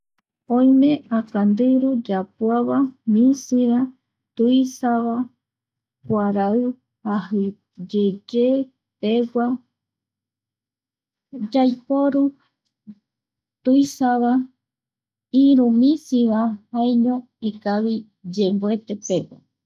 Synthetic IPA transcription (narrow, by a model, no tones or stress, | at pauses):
õjmẽakand̪ɨɾud͡ʒapwaβamĩsiβa | t̪ujsaβa | kʷaɾaɨ | hahɨ | d͡ʒed͡ʒe | peɡʷa | d͡ʒajpoɾu | t̪ujsaβa | iɾumĩsiβahajɲõ | ikaβi | d͡ʒembe̞t̪e̞peɡʷa̰